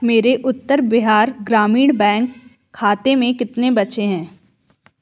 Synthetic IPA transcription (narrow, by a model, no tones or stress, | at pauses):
meːɾeʔʊt̪ːəɾbɪɦaːɾɡɾaːmiːɽ̃bɛ̃ːŋkʰː | aːt̪emẽkɪt̪nebɐt͡ʃeɦɛ̃ː